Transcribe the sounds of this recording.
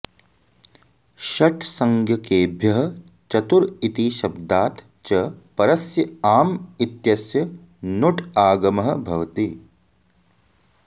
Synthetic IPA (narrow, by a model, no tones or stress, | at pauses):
ʃɐʈʰsɐŋɡʱjɐkeːbʱjɐɦɐ̆ | t͡ʃɐt̪uɾit̪iːʃɐb̚d̪aːt̪ | t͡ʃɐpɐɾɐsjɐaːmit̪jɐsjɐ | nuʈʰaːɡɐmɐɦɐ̆bʱɐʋɐt̪i